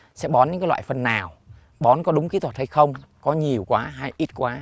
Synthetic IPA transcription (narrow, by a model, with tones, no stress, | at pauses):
sɛ̰˧˥ɓɔ˨˦nɲɨ̰˧˥kaː˨˦lwa̰ː˧˨jfə˨˩nːaː˨˩w | ɓɔ˨˦nkɔ˨˦ɗʊ˨˦ŋ͡mki˨˦t̪wə˨˩t̚ha˧jxə˧wŋ͡mkɔ˨˦ɲi˨˩əwkwaː˨˦ɦa˧jʔi˦˥t̚kwaː˨˦